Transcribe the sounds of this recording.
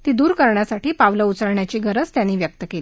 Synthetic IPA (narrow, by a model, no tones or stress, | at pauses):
t̪iːd̪uːɾkəɾɳjasaʈiːpaʋləut͡səɾɳjat͡ɕiːɡʱəɾət͡st̪janːiːʋjək̚t̪əkeli